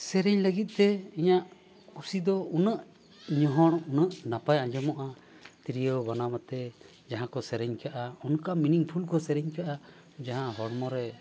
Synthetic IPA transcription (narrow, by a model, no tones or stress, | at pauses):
sɛɾɛɲləɡit̪̚ˀt̪ɛiɲaʔ | kusid̪ɔunəʔ | ɲɔɦɔɽunəʔnapajãɲd͡ʒɔmɔʔa | t̪iɾijəwbanamat̪ɛ | d͡ʒaɦãkɔsɛɾɛɲkaʔaunkaminiŋpʰulkɔsɛɾɛɲkaʔa | d͡ʒaɦãɦɔɽmɔɾɛ